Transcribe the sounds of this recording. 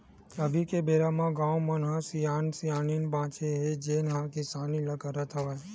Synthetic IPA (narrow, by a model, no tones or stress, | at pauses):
əbikebeɾamãɡãwmənɦãsijansijaninbãt͡ʃʰeɦed͡ʒenɦãkisaniləkəɾət̪ʰəʋaj